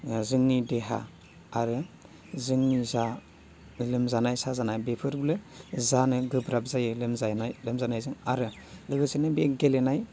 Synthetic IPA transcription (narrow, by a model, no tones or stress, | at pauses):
zɯŋnideɦa̰ː | ɾɯ | zɯŋniza | lɯmzanajsazanajbepʰɯɾblɯzanɯɡɯbɾab̚zajɯlɯmzanalɯmzanajzɯŋaɾɯ | lɯɡɯsenɯbeɡelenaj